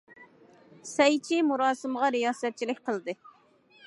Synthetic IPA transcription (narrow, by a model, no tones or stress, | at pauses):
sɛjt͡ʃʰimuɾɑːsɨmʁɑɾijɑːsɛt̪̚t͡ʃʰilɪkʲqəlˠd̪ɨ